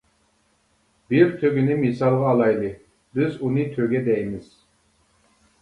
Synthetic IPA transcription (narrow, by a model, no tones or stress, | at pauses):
biɾt̪ʰøɡʲynimisɑlˠʁɑːlˠɑjlˠɯ | bizunɯt̪ʰøɡʲɛd̪ɛjmiz̥